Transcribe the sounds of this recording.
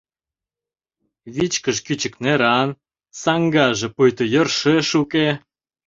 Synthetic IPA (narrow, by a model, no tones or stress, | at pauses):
βit͡ɕkəʃkyt͡ɕə̆kneɾɑn | sɑŋɡɑʒĕpujt̪ŏjə̆rʃeʃuke